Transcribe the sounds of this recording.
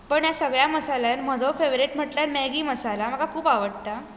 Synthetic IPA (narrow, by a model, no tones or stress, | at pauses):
pəɳjasəɡɭjaməsalanm̤əd͡zowfeʋɾiʈm̤əʈljaɾmɛɡiːməsalam̤əɡakʰuːpaʋəɽt̪a